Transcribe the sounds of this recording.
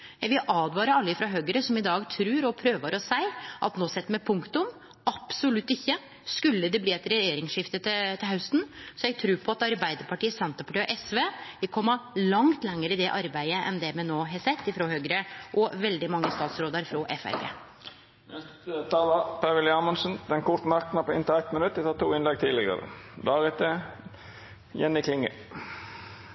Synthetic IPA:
jæɪɡʋɪlʔɑːd̪ʋɑːɾəɑlːəɪfɾɑɦøːɡəɾəsɔmɪd̪ɑːɡt̪ʰɾʉːɾɔpʰɾøːʋəɾɔsæɪʔɑ̰t̪noːsɛt̪ːmɛpʰʊŋkt̪ʊm | ɑpsʊlʉt̪ːɪçːə | skʉlːəd̪ɛbliːɛt̪ɾɛjeːɾɪŋsʂɪft̪ət̪ɪt̪ʰɪlhɑʉst̪n̩sɔjæɡt̪ʰɾʉːpʰɔɑt̪ɑɾbæɪd̪əɾpɑʈiːəsɛnt̪əpɑʈiːʔɛsʋeːʋɪlkʰɔmːɑlɑŋt̪lɛŋːəɾəɪd̪ɛʔɑɾbæɪəʔɛ̰nd̪ɛmɛnoːɦɛsɛt̪ːɪfɾohøːɡɾəʔɔʋɛld̪ɪmɑŋːəst̪ɑːt̪sɾoːd̪əɾfɾɔʔɛfæ̰ɾpʰḛː | nɛsət̪ʰɑːlɑpʰæʋɪlɪɑːmənsən̩d̪̥ɛnkʰʊɾt̪nɑɾkt̪nɑpʰɔɪ̰nt̪ɪæɪt̪mɪnʉt̪ːɪt̪ɑːt̪uːɪnlɛɡ̚t̪ʰiːlɪɡə̰ɾə̰d̪ɑːɾɪt̪ə | jɛnːɪkʰlɪŋːə̰

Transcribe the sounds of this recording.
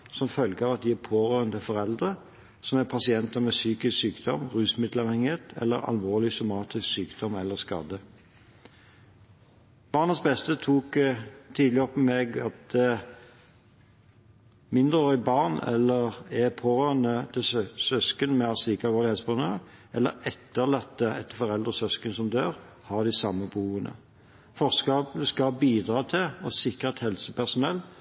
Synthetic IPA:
sɔmfœlɡəɑʋɑt̪̚d̪ɪæpʰoːʁøːʁənd̪ɪfɔɾɛld̪ʁə | sɔmæpʰɑsɪɛnt̪əmɛsyːkɪsksyːkd̪̥ɔmʁʉːsmɪd̪lɑʋhɛŋːɪheːt̪ɛ̰lːəɾɑ̰lʋoːʁlɪsʊmɑːt̪ɪsksyːkd̪̥ɔmɛlːəskɑ̰ːd̪ə | b̥ɑːʁnəsbɛst̪ət̪ʰuːkt̪ʰiːd̪lɪɔpːəmeɡɑt̪̚ | mɪnd̪ʁəœʏbɑʁnɛ̰lːəʁɛpʰoːʁønət̪ʰɪlsœskənmɛɑsliːkɑlʋɔːlɪheːd̪sbɑʁnøːʁʔɛlːə̰ɾɛt̪ːəʁlɑt̪ːəɛt̪ːfɔʁɛld̪ʁəsœskənsɔmd̪øːʁ | hɑd̪ɪsɑmːəbəuːənʔə̰ | fɔʁskɑːbləskɑbiːd̪ʁɑːt̪ʰɪɔsɪkʁət̪hɛlsəpæʁsʊnɛlː

